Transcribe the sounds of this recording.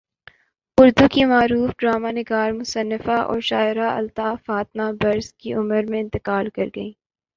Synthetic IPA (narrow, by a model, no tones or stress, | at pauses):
ʊɾd̪ukimaːɾuːfɖɾaːmanɪɡaːɾmʊsənːɪfaʔɔ̰ːɾʃaːɪɾaɐ̰lt̪aːfaːt̪̚mabɐɾzkiʔʊməɾmẽɪ̃nt̪ɪqaːlkɐɾɡɐiː